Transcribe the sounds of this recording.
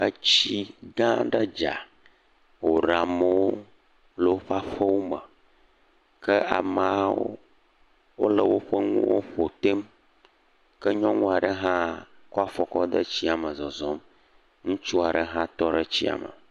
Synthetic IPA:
ə˦t͡ɕi˦ɡã˦ɖə˦d͡ʒa̰˨ | wo˨ɖa˨mə˦wo˦ | lə˨wo˦ɸa˦ɸə˦wo˦mə˨ | kə˦a̰˨mã˨˦o̰˦ | wo̰˦lə˨wo˦ɸə˦ŋṵ̃˦wo̰˦ɸo˨t̪e˦m | kə˦ɲɔ̃˦ŋũ˦a˨ɖə˦ɦã˦kɔ˦a˦fɔ˦kɔ˦d̪ə˦t͡ɕi˦a˨mə˨zɔ˨zɔ˦m | ŋũ˦t͡ʃu˦a˨ɖə˦ɦã˦t̪ɔ˦ɖə˦t͡ɕi˦a̰˨mə̰˨

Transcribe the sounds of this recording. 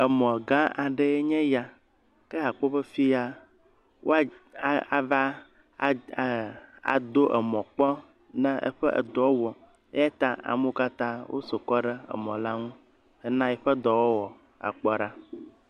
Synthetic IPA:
e˨mɔ̃˨ɡã˦a˨ɖe˦e˦ɲɛ̃˦ja˨ | ke˦ɦa˨k͡po˦be˦fi˦a˦ | wʔo̰˦a˦a˨va˦˨ | a̰˨d̪o˦ʔe˨mɔ̃˨k͡pɔ˦ | nɛ̃˦ʔə̰˦ɸə˦ʔə̰˨d̪ɔ˨˦wɔ˨ | e˦ja˦t̪ã˦a̰˨mo˦ka˦t̪ã˦wo̰˦so˨kɔ˦ɖe˦ḛ˨mɔ̃˨la˦ŋũ˦ | e˨nã˦jɛ˨ɸə˦d̪ɔ˨wɔ˦wɔ˨ | a̰˨k͡pɔ˦ɖa˦

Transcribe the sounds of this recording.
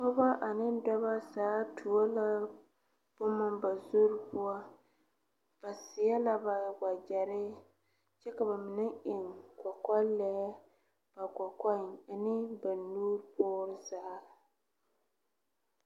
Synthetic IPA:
kɔ˦ba˦ʔa˨nɪ˦dɔ˦ba˦saː˨˦tʰu˨a˦la˦ | b̥ʊ˦ma˦mba˨zo˦ɾpʊ˦a˦ | b̥a˨sɪ˨ja˦la˦ba˨ɡa˨d͡ʒa˨ɾɪ˦ | t͡ʃɛ˦ka˨ba˨mɪ˨nɪ˦ʔɪ˨ŋkʷɔ˨ka˦lɛ˨˦ | b̥a˨kɔ˨ka˦na˨nɪ˦ba˨nːuː˦ɾpɔː˦ɾɪ˦zaː˦

